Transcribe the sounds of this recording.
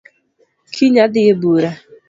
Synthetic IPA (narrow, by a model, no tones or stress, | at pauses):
kʰiɲadɪjebuɾa